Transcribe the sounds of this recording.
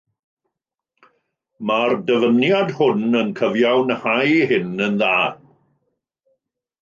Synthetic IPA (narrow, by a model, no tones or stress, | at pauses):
mardəvənjadhʊnənkʰəvjawnhajhɪnənðaːd̥